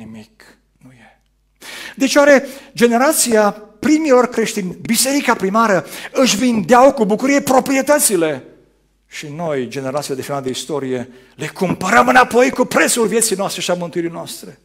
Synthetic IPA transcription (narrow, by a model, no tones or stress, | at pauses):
nimik | nuje | d̪et͡ʃewaɾe̞d͡ʒene̞ɾat̪sijapɾimio̞rʲkɾe̞ʃt̪inʲbise̞ɾikapɾimaɾəɨʃvind̪eawkubukuɾijepɾo̞pɾie̞t̪ət̪sile̞ | ʃino̞jd͡ʒe̞ne̞ɾat̪siad̪efimat̪d̪eist̪o̞ɾije̞ | le̞kumpəɾəmɨnapo̞jkupɾe̞t̪sulvjesijnoast̪ɾe̞ʃiamɨnt̪uiɾijnoast̪ɾe